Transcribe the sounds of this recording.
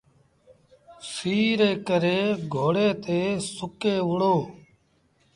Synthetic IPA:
siːɾeːkəɾeːɡʱoːɽeːt̪eːsʊkeːʋʊɽoː

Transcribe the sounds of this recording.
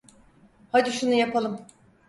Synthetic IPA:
had̪iʃunujapʰalˠɯm

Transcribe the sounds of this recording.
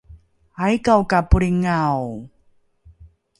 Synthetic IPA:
ajkawkapuɾiŋaw

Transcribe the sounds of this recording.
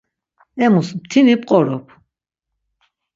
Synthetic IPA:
ɛmusmt̪ʰinip̚ʼqʼɔɾɔpʰ

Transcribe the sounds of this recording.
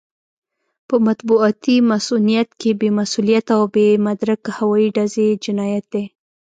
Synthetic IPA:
pəmat̪buɑt̪imasunijat̪kebemasulijat̪awbemad̪ɾakahawɑiɖazed͡ʒɪnɑjat̪̚d̪e

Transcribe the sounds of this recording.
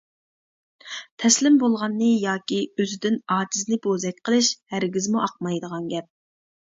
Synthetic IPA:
t̪ʰɛslɪmbolˠʁɑnːɨjɑːkʲiøzɪd̪ɪnɑːd͡ʒiznɪbozɛk̚ʲqʰəlˠɨʃhæɾɡʲizmuʔɑq̚mɑjd̪əʁɑnɡʲɛp̚

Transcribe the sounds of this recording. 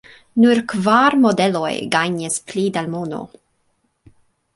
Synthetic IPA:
nuɾkvaɾmodelojɡajɲisplid̪almono̰

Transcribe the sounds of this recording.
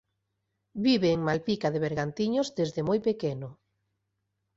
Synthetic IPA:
biβeːŋmalpikaðeβ̞eɾɣant̪iɲozðezðemojpekeno

